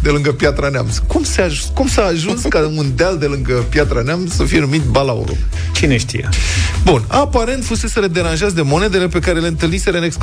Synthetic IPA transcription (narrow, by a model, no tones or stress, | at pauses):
d̪e̞lɨŋɡəpjat̪ɾanea̰mskumseaʒ | kumsaːʒunskaund̪eald̪e̞lɨŋɡəpjat̪ɾaneamsəfije̞numit̪balaṵɾṵ | t͡ʃineʃt̪ḭjḛbunapaɾe̞nt̪fuse̞seɾed̪e̞ɾanʒazd̪e̞mo̞ne̞d̪e̞le̞pe̞kaɾe̞le̞ɨnt̪ɨlnise̞ɾeɨneks